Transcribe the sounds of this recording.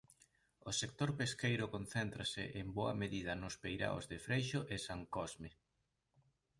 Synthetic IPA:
ʊsekt̪oɾpeskejɾʊkon̟θent̪ɾasɪ̰ʔemboɐ̰meðiðɐnʊspejɾa̰o̰zðɪfɾejʃʊʔesaŋkɔzme

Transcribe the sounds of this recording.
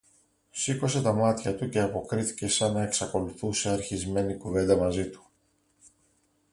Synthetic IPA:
siko̞se̞t̪ɐmɐt̪çɐt̪uce̞ɐpo̞kɾiθi̥ce̞sɐnɐe̞ksɐko̞luθuse̞ɐɾçizme̞nikuve̞nd̪ɐmɐzit̪u̥

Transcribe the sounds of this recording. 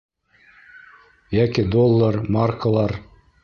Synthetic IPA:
jækid̪olˠːəɾmarkəlˠɑɾ

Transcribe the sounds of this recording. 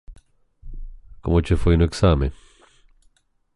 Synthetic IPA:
komot͡ʃefejnoeksamḛ

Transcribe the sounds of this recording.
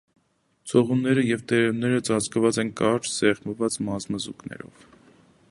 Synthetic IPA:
t͡sʰɔʁunːɛɾəjɛvt̪ɛɾɛnːɛɾət͡sɑt͡skəvɑt͡sɛnkɑɾt͡ʃz̥ɛʁməvɑt͡smɑzməzuknɛ̰ɾɔ̰v

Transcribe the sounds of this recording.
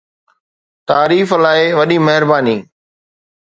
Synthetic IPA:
t̪aːɾiːflaːɪʋɐɗimɐɦɪɾbaːniː

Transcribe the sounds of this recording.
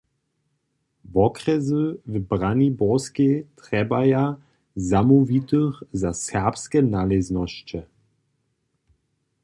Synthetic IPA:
vɔkrɛzəvbʁanibɔsket̪ʁɛbaja | zamuvit̪əxzasɛʁpskɛnalɛznɔɕt͡ʃɛ

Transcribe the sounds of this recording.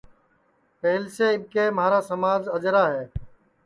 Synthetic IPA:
pɛɦlɪseːɪb̚keːmaːɾaːsəmaːd͡ʒəd͡ʒɾaːɦɛː

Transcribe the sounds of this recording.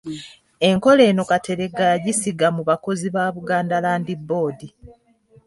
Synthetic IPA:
e̞ŋko̞le̞ːno̞kate̞ɾe̞ɡaɟisiɡamuβako̞ziβaːβuɡaːndalaːndibːo̞ːdi

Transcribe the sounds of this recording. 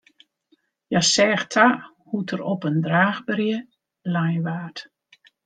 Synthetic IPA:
jasɛːxtʰa | hutʰəɾɔpəndraːxbərjə | lajʋaːt

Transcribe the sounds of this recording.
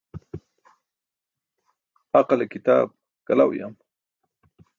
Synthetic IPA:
aqalekit̪a̰ːb̚ | kala̰wja̰m

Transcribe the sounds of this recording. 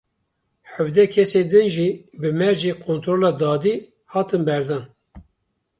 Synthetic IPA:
ħəvd̪ɛkʰɛseːd̪ɨnʒiːbɨmɛɾʒiːkʰoːnt̪ɾoːlɑːd̪ɑːd̪i | hɑːt̪ɨnbɛɾd̪ɑːn

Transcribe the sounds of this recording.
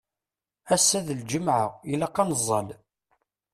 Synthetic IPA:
æsːæðəld͡ʒəmʕə̰ʁjəlːæqːɑnəzˤːə̰l

